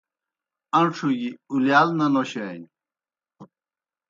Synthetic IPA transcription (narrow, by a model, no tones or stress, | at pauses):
ɐnʈ͡ʂʰuɡiuljalnɐnoɕen